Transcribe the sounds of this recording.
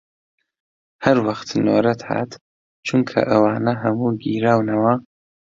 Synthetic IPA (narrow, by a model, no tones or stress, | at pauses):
hɐɾwɐχtʰno̰ːɾɐtʰa̰ːtʰ | t͡ʃʰɨŋkʰɐ̰ʔawaːnɐɦamuɡiɾawnɐwa